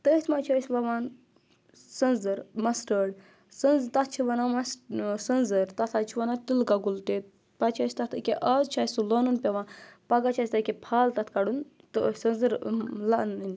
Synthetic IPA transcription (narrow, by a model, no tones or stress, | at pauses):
t̪ət̪ʰmat͡ʃʰɐsʲbɐʋaːn | sɐnzɐɾmɐsʈəːɽ | sənzt̪ɐt̪̚ʰt͡ʃʰiʋɐnamɐssɐnzɐɾt̪ɐt̪ʰat͡ʃʰiʋɐnat̪ilɡaɡult̪et̪̚ | pɐt͡ʃʰɐsʲt̪ɐt̪ʰɨkʲeʔɐːt͡ʃʰaːsulɐːnunpʲɐʋãːpɐɡat͡ʃʰasʲt̪ɐkʲepʰaːlt̪ɐt̪ʰkɐɽun | t̪ɨsɐnzɨɾlaʔnin